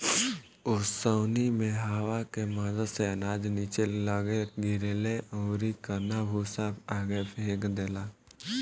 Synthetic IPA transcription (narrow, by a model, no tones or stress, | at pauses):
ʊssəːnimẽɦaːʋakemazəseənaːd͡ʒniːt͡ʃelləɡeɡɪɾeːleʔoːɾikəɾnabʱusaːbaːɡepʰeːɡd̪eːlaː